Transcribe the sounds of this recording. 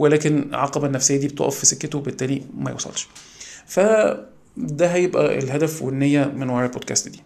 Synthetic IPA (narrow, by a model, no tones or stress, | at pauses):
welæːkenʕɑ̰qɑbænːæfsejːæd̪iːbet̪ɑ̰ʔɑfːisekːet̪owebet̪ːæːlimæjḛwsˤɑ̰lʃ | fæ | d̪æɦæjebʔæ̰ʔḛlɦæd̪æfweʔenːhejːæmenwɑɾˤɑlbod̪̚kæ̰st̪d̪iː